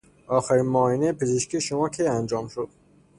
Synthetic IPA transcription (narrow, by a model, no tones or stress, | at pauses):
ɒːxæɾiːnmɒːinejepʰezeʃkʰʲiːʃomɒːkʰejænd͡ʒɒːmʃod̪̥